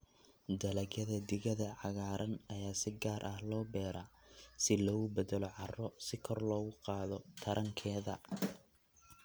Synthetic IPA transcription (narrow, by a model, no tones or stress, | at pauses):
d̪ɐlɐɣjɐðɐd̪ɪɣɐðɐʕɑɣaːɾɐnɐjaːsɪɡaːɾʔɐhlɔːbɛːɾʔaːsɪlɔːɣʊbɐd̪ɐlɔʕɑrɔsɪkʰɔrlɔːɣʊqɑːðɔt̪ʰɐɾʔɐŋkʰɛːðɐ̰